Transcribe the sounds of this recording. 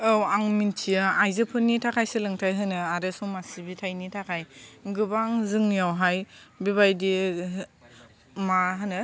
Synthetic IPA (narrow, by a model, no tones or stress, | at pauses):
ɯwaŋmintʰiaajzɯpʰɯnːitʰakʰajsɯlɯŋtʰajɦɯnɯaɾɯsɔmasibitʰajnitʰakʰajɡɯbaŋzɯŋjawɦajbiβajdi | maɦɯnɯ